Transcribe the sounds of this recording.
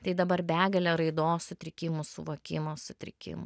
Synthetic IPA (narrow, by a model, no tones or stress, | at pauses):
t̪ɐɪd̪ɐbɐrbʲæːɡɐlʲeɾɐɪd̪oːssʊt̪ʲɾʲɪkʲɪmʊsʊʋoːkʲɪmoːsʊt̪ʲɾʲɪ̰kʲɪ̰mʊ